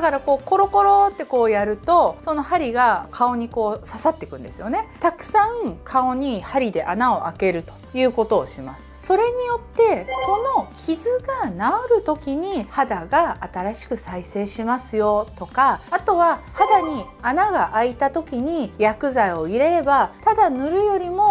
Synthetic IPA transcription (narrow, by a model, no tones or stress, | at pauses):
d̪akaɾako̞ːko̞ɾo̞ko̞ɾo̞t̪ːe̞ko̞ːjaɾɯ̟t̪o̞so̞no̞haɾʲiɡakʰao̞ɲ̟iko̞ːsasat̪ːe̞̥kɯ̟̃nd̪esɨjo̞ne̞t̪akɯ̟̥sãŋkʰao̞ɲ̟ihaɾʲid̪e̞ʔanao̞ʔake̞ɾɯ̟t̪o̞̥jɯ̟ːko̞t̪o̞ːɕimasɨ̥so̞ɾe̞ɲ̟ijo̞t̪ːe̞so̞no̞kʲʰizɨɡanaoɾɯ̟t̪o̞kʲiɲ̟ihad̪aɡaːt̪aɾaɕi̥kɯ̟saise̞ːɕimasɨjo̞t̪o̞kaːt̪o̞βahad̪aɲ̟i | anaɡaʔait̪at̪o̞kʲiɲ̟ijakɯ̟zaio̞iɾe̞ɾe̞bat̪ad̪anɯ̟ɾɯ̟jo̞ɾʲimo̞